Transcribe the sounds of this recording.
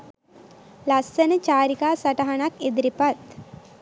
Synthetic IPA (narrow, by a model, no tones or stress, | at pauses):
lasːənət͡ʃaːɾikaːsaʈaɦanaked̪ɾipat̪